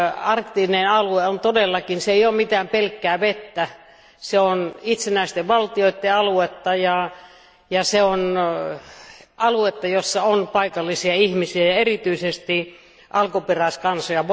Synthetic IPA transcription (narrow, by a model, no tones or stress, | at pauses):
ɑrkt̪inenɑlueont̪odelːɑkinseijoːmmit̪æːmpelkːæːʋet̪ːæ | seonit̪senæˑist̪eʋʋɑlt̪ioit̪ːeɑluet̪ːɑjɑ | jɑseon | ɑluet̪ːɑjosːɑonpɑikɑlːisiɑihmisiæjɑerit̪yisest̪i | ʔɑlkuperæˑiskɑnsojɑʋ